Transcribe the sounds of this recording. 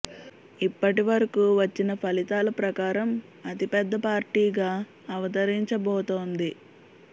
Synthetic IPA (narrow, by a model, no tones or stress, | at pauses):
ipːɐʈiʋɐɾɐkuːʋɐt͡ʃːinɐpʰɐlit̪aːlɐpɾɐkaːɾɐm | ɐt̪ipɛd̪ːɐpaːɾʈiːɡaː | ɐʋɐt̪ɐɾiɲt͡ʃɐbɔːt̪oːnd̪i